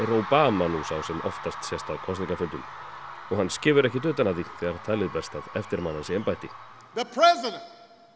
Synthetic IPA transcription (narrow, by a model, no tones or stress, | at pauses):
ɛɾowpaːmanusawsɛmʔɔ̰ft̪ast̪sjɛst̪aðkʰɔnst̪iŋkafʏnt̪ʏm | ɔɣhanːscɪːvʏɾɛhcɪt̪ʏːt̪anaðiθɛːɣaɾ̥t̪ʰaːlɪðpɛɾ̥st̪aðɛft̪ɪɾmanːansɛɛmpaːjt̪ɪ | ðəpʰɹɛzɪɾə̃nt